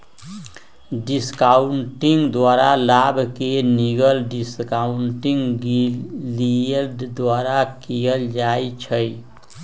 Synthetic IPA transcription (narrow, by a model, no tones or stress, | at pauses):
ɖiskauɳʈiŋɡd̪ʋaɾalabʱkeniɡəlɖiskauɳʈiŋɡɡiliəlɖd̪waɾakijəld͡ʒajt͡ʃʰəj